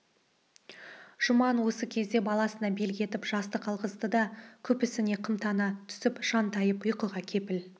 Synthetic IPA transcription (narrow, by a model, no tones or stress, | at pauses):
ʒ̥ʊmɑnwo̞səkʲʰe̞zd̪e̞bɑlˠɑsənɑbelɡʲe̞t̪ɪpʒ̥ɑst̪əqʰɑlˠʁəzd̪əd̪ɑkʲʰɵpɪsɪne̞qʰəmt̪ɑnɑt̪ʰʏ̥sɪpʃɑnt̪ɑjəpʊjqəʁɑkʲʰe̞pɪl